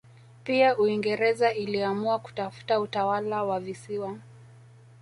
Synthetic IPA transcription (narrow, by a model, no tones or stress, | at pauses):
piauiŋɡɛɾɛzailiamuaku̥tafu̥tautawalawavisiwa